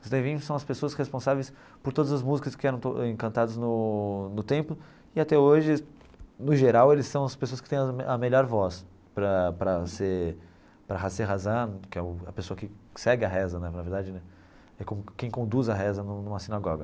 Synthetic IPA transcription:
ʊsd̪ẽvĩʊsɐ̃w̃ɐspesoɐsʁespõsavejs | pʊɾt̪od̪ɐzɐzmuzikɐskɪɛɾɐ̃w̃t̪oẽkɐ̃nt̪ad̪ɐznʊnʊt̪ẽmplʊ | ɪat̪ɛoʒɪ | nʊʒeɾawelɪssɐ̃w̃ɐspesoɐskɪ̥t̪ẽj̃ɐɐmeʎɔɾvɔs | pɾɐpɾɐse | pɾɐɦaseɦazɐ̃nʊkɪɛʊɐpesoɐkɪsɛɡɪɐɦɛzɐnɛnaveɾd̪ad͡ʒɪnɛ | ɛkõmʊkẽj̃kõnd̪uzɐɦɛzɐnũnũmɐsĩnaɡɔɡɐ

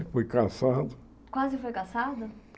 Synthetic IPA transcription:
fojkasad̪ʊ | kwazɪfojkasad̪ʊ

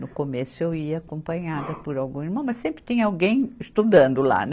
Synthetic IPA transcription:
nʊkomesʊewiɐakõpɐ̃ɲad̪ɐpʊɾawɡũiɾmɐ̃w̃mɐssẽmpɾɪt̪ĩɲɐawɡẽj̃ɪst̪ud̪ɐ̃nd̪ʊla̰n

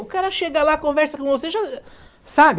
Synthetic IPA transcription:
ʊkaɾɐʃeɡɐlakõvɛɾsɐkõvoseʒasabɪ

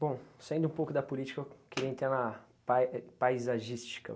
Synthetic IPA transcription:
b̥õw̃saẽd̪ʊũpowkʊd̪ɐpolit͡ʃi̥kɐkeɾẽt̪ẽɾɐ | papajzaʒist͡ʃi̥kɐ̰

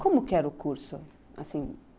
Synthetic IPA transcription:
kõmʊkɪɛɾʊkuɾsʊ | a̰sĩ

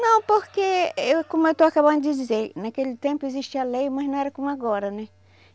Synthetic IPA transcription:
nɐ̃w̃poɾkeekõmʊewt̪owakabɐ̃nd̪ʊd̪id͡ʒ̪izeɾnakelɪt̪ẽmpʊeziʃt͡ʃiɐlejmɐznɐ̃w̃ɛɾɐkõmʊaɡɔɾɐnɛ

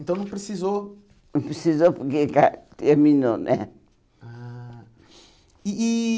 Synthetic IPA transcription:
ẽnt̪ɐ̃w̃nɐ̃w̃pɾɨsizo | nɐ̃pɾɨsizopuɾkekat̪eɾmino̰nʔɛ̰ | a | i

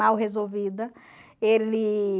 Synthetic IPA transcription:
awɦezowvid̪ɐ | elɪ

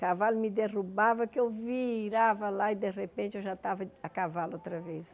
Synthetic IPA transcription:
kavalʊmɪd̪erubavɐkɪewviɾavɐlaid̪eʁepẽnt͡ʃɪewʒat̪avɐɐkavalowt̪ɾɐves

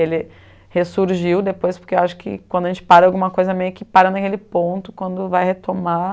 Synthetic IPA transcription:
elɪ | hesuɾʒiwd̪epojspʊɾkewaʃʊ̥kɪ̰kwɐ̃d̪ʊɐʒẽnt͡ʃɪ̥paɾɐawɡũmɐkojzɐmejʊkɪpaɾɐnɐkelɪpõnt̪ʊ̥kwɐ̃nd̪ʊvajhet̪ʰoma

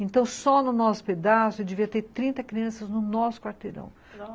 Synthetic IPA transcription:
ẽnt̪ɐ̃w̃sɔnʊnɔsʊ̥ped̪asʊed͡ʒeviɐt̪eɾt̪ɾĩnt̪ɐkɾiɐ̃sɐznʊnɔsʊ̥kwaɾt̪eɾɐ̰̃w̃

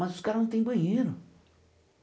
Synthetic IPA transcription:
ɐzʊskaɾɐnɐ̃w̃t̪ẽj̃bɐ̃ɲejɾʊ

